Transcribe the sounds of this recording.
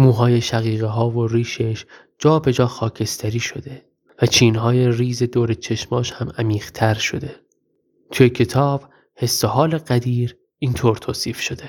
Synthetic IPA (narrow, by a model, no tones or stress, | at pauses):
muːɦɒːje̞ʃæɣiːɣeɦɒːvo̞ɾiːʃeʃ | d͡ʒɒːbe̞d͡ʒɒːxɒːcʰe̞st̪ʰæɾiːʃo̞d̪e̞ | væt͡ʃʰiːnɦɒːje̞riːze̞d̪oːɾet͡ʃʰe̞ʃmɒːʃhæmæmiːɣ̥t̪ʰæɾʃo̞d̪e̞ | t̪ʰujecʰe̞t̪ʰɒːb̥ | he̞sːoɦɒːleɢæd̪iːɾ | iːnt̪ʰoːɾt̪ʰoːsiːfʃo̞d̪e̞